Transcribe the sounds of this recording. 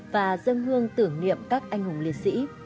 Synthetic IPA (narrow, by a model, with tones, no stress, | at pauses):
vaː˨˩zə˧ŋhɨ˧əŋt̪ɨ˧˩əŋnḭ˧˨əmkaː˦˥k̚ʔa˧jŋ̟hʊ˨˩ŋ͡mli˨ət̚sḭ˧˥